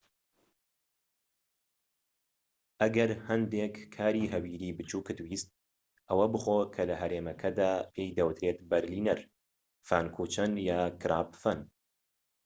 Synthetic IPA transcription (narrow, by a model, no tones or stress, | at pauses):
ʔɐɡɐɾhɐnd̪eːkʰːaːɾiːɦɐwiːɾiːbɨt͡ʃʰuːkɨt̪wiːst̪̚ | ʔɐwɐbɨxoːkʰɐlɐɦɐɾeːmɐkʰɐd̪aːpʰeːjd̪ɐwɨt̪ɾeːt̪bɐɾliːnɐɾ | faːnkʰuːt͡ʃɐnjaːkʰɨɾa̰ːpfɐn